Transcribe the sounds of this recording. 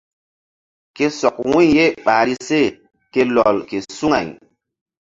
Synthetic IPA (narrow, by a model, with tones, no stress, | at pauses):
ke˦sɔ˨k̚wũ˦ɲje˦ɓaː˨ɾi˦se˦˨ | ke˦lɔ˨lke˨su˦ŋa̰˨j